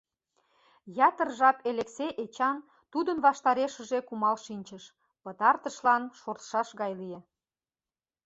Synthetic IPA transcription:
jɑt̪ərʒɑpelekseʔet͡ɕɑn | t̪ud̪ənβɑʃt̪ɑɾeʃə̆ʒekumɑlʃinʲt͡ɕəʃ | pət̪ɑrt̪əʃlɑnʃort̪ʃɑʃɣɑjlije

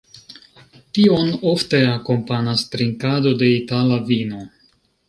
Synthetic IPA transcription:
tio̞no̞fte̞ako̞mpanastɾiŋkado̞de̞italavino̞

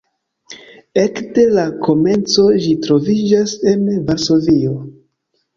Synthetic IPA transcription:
e̞kde̞lakʰo̞me̞nt͡so̞d͡ʒitɾo̞vid͡ʒase̞nvaɾso̞vio̞

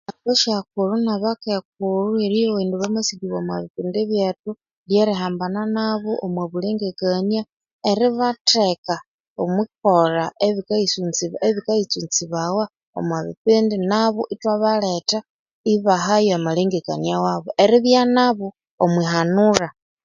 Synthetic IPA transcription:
akoʃak̚uɾunaβakek̚uɾueɾijowiːnduβamasiɡiβomwa̰βipindiβjatu | ljeɾiɦaːmbananaβoʔomwaβuliŋɡekania | eɾiβateka | omwik̚oɾaʔeβikaisunt͡siβeβikait͡sunt͡siβawa | o̰mwaβḭpindinaβoʔitwaβaleta | iβaɦajoamaliŋɡeka̰njawaβoʔeɾiβjanaβo | omwiɦanuɾa

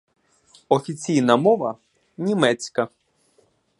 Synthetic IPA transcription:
ɔfʲit͡sʲijnɐmɔʋɐ | nʲimɛt͡sʲkɐ

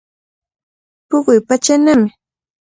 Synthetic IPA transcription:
pʊɢʊjpat͡ʃanamɪ

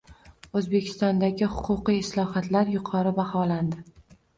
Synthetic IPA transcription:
ɵzbe̞kʲʰɪ̥st̪ɒnd̪aɡʲɪhʊqʰʊqijɪslˠɒhat̪laɾjʊqʰɒɾɪbahɒland̪ɪ

